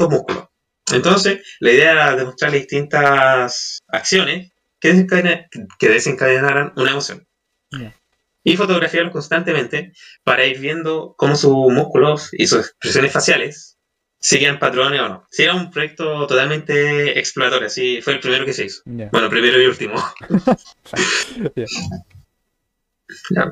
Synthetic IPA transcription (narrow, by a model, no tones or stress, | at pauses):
omuhkulo̰ | ent̪o̞nseslaiðeaðemost̪ɾaɾlaðiht̪int̪asa̰ksjo̞nes | keðeseŋkaakeðeseŋkaðenaɾanunaemo̞sjo̞̰n | ifo̞t̪o̞ɣɾafjaɾoŋko̞nst̪ant̪emẽ̞nt̪epaɾʔaiɾβje̞nd̪oko̞mo̞sumuhkulosḭsusekspɾesjo̞nesfasjalesː | iɣampat̪ɾoneono̞̰sieɾaumpɾojek̚t̪ot̪ot̪alme̞nt̪e̞̰ːksploɾat̪o̞ɾjoasifweːlpɾime̞ɾo̞kese̞iso̥bwe̞no̞pɾime̞ɾoelult̪imo | ja̰